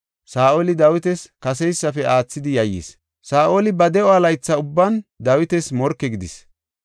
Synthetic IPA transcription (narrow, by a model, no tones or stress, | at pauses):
saːʔolɪd̪ɐwɪt̪ɛskɐsɛjsːɐfɛʔaːt͡sːɪd̪ɪjɐjːḭs | saːʔoːlɪbɐd̪ɛɔɐlɐjt͡sːɐʊbːɐnd̪ɐwɪt̪ɛsmɔɾkːɛɡɪd̪ɪs